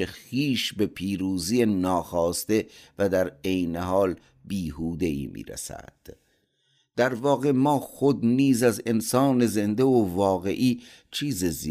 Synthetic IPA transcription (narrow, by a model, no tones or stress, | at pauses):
exiːʃbe̞pʰiːɾuːzijenɒːxɒːst̪e̞væd̪æɾejneɦɒːl | biːɦuːd̪e̞ḭːmʔḭːɾḛsæ̰d̪̥ | d̪̥æɾvɒːɣe̞mɒːxo̞d̪niːzæze̞nsɒːne̞ze̞nd̪eovɒːɣe̞ʔiː | t͡ʃʰiːzizi